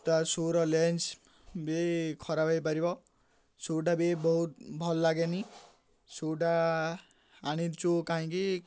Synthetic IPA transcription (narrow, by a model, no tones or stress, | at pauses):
t̪asoɾʌlent͡s | bekʰʌɾabʱʌjpʌɾibʌ | soɖabebʌɦut̪̚bʱʌlːaɡeni | soɖaː | ɽ̃id̪t͡sokaɦĩki